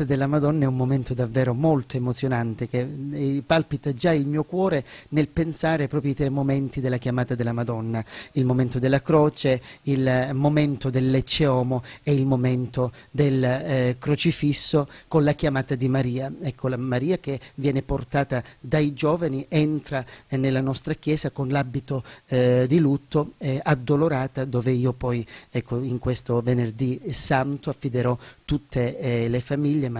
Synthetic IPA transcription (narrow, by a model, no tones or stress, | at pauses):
t̪ad̪elːamad̪ɔnːaɛummoment̪od̪avːɛːɾomolt̪oemot̪sjonant̪ekepalpit̪ad͡ʒailmiːokwɔːɾenelpensaːɾepɾɔːpɾjit̪ɾejmoment̪id̪elːakjamaːt̪ad̪elːamad̪ɔnːailmoment̪od̪elːakɾɔːt͡ʃeilmoment̪od̪elːet͡ʃːeɔːmoɛilmoment̪od̪elkɾot͡ʃifisːokonlak̟jamaːt̪ad̪imaɾiːaɛkʰːolamaɾiːak̟evjɛːneport̪aːt̪ad̪aid͡ʒoːvaniʔɛnt̪ɾanelːanɔst̪ɾakjɛːzakonlabit̪od̪ilut̪ːoɛad̪ːoloɾaːt̪ad̪oːveiːopɔjɛkʰːoiŋkwest̪ovenerd̪isant̪oafːid̪eɾɔt̪ut̪ʰːelefamiʎːema